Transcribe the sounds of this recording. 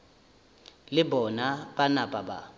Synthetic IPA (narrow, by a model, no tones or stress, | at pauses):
lɪbɔnapʼanapʼaba